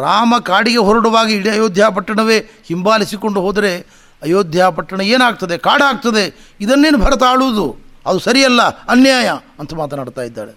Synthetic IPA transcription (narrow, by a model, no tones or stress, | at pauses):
ɾaːmɐkaːɽiɡe̞ɦɔɾɐɽɐʋaːɡiːɽiɐjoːd̪ʱjaːp̬ɐʈːɐɳɐʋe̞ː | himbaːlisiko̞ɳɖuɦo̞ːd̪ɐɾe̞ | ɐjoːd̪ʱjaːpɐʈːɐɳɐeːnaːɡ̚t̪ɐd̪ekaːɽaːɡ̚t̪ɐd̪e̞id̪ɐnːe̞ːnubʱɐɾɐt̪ɐaːɭuʋud̪uɐd̪usɐɾijɐlːɐɐnjaːjɐɐnt̪ʰɐmaːt̪ɐnaːɽt̪aːjid̪ːa̰ːɾe